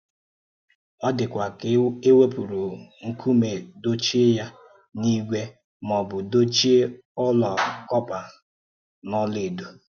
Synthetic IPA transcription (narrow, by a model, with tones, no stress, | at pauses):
ɔ˦dɪ˨kʷa˨ke˦we˦pu˨ɾu˨ŋ̩˦kʰu˦me˨do˦t͡ʃi˦ja˦ | ni˦ɡʷe˦ | mɔ˨bʊ˨do˦t͡ʃi˦ | ɔ˦lɔ˨kɔ˦pa˨ | nɔ˦le˨do˨